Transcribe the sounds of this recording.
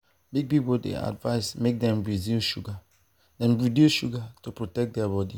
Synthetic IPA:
biɡ̚pipodḛa̰dva̰ɪsmek̚dɛ̃mbɹidioʃuɡa | dɛ̃nbɹidioʃuɡatupɹotɛk̚dɛabɔdi

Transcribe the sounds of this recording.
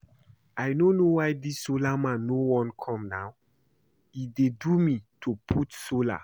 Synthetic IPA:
ajnonowajdisːolamãnːowɔ̃nkʰɔ̃mnaw | idedumitʰupʰutsola̰

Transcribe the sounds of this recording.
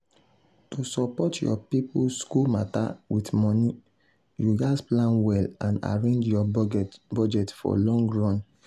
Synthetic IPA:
tusɔpɔtjɔ̰pipuskulmata̰witmɔni | juɡasplãnwɛlãna̰ɹẽnd͡ʒjɔbɔd͡ʒɛtfɔ̰lɔ̃ŋɡɹɔ̃n

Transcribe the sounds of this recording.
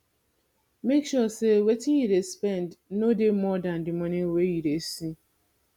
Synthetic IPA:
mekʃɔsewetiiɾespɛndnodemɔdandɪmɔnewejiɾesi

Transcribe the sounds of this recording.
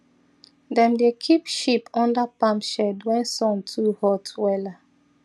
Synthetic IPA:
dɛ̃mdekʰipʃipʰɔ̃ndapãmʃɛdwɛ̃nsɔ̃ntʰuhɔtʰwɛla

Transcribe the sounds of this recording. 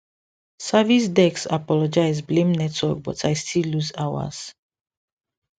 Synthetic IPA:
savisdɛksapɔlɔd͡ʒaɪzblẽmnɛtwɔk̚bɔtʰajstʰilːuzawa̰z̥

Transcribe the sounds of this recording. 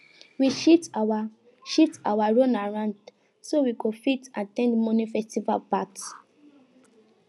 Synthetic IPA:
wiʃita | ʃutawaɹonaɹãnd | sowikofitãtɛ̃ndmɔ̃nifɛstiva̰lpat

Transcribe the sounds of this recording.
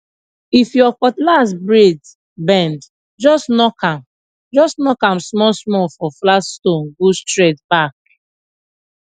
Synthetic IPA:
ifjɔfɔtlasbɹed | bɛ̃nd | d͡ʒɔsnɔkãm | d͡ʒɔsnɔkãmsmɔlsmɔfɔflastõnɡostɹɛtbak

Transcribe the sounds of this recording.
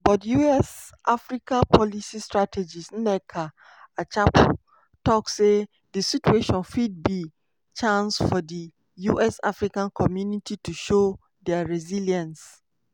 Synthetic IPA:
bɔtjuɛs | ʔafɾikʰãpʰɔlisistɹatʰed͡ʒisn̩nɛkʰa | at͡ʃʰapʰ | tʰɔkse | disitueʃɔ̃nfid̚bi | t͡ʃʰãnsfɔdi | juʔɛsa̰fɾikãnkʰɔmjũnitʰitʰuʃo | dɛaɹɛziljãns

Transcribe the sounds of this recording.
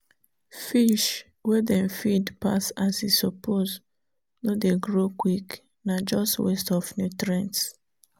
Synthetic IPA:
fiʃ | wɛdɛ̃nfidpa̰sasisɔpʰoz | nodeɡɹokwik | nad͡ʒɔstwɛstɔfnutɹɛ̃nts

